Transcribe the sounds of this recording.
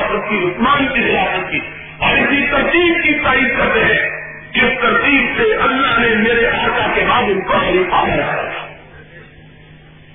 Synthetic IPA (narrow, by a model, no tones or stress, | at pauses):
sət̪̚kiʊsmaːnkiɾɪjaːsət̪̚ki | ɔːɾɪsit̪ɐɾt̪iːb̚kisaiɐt̪ɦɛ̃ | d͡ʒɪst̪ɐɾt̪iːbseʔɐlːaɦnemeːɾeʔaːɾkakemaːbepɐɦɾipaːnila̰ːɾa̰t̪ʰḁː